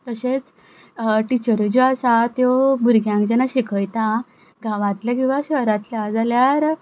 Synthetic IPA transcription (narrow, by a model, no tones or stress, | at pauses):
t̪əɕet͡s | ʈit͡ɕəɾud͡ʑoasat̪jobuɾɡʱjãŋkd͡ʑɛnaɕikʰəjt̪a | ɡãʋãt̪ljakĩw̃ʋaɕʋəɾãt̪ljad͡zaljaɾ